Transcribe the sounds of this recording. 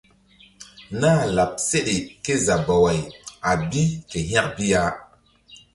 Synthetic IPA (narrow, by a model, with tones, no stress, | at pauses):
naː˦la˨p̚se˦ɗe˨ke˦za˨ba˨wa˨ja˨bi˦ke˨ɦã˦k̚bi˦ja˨˦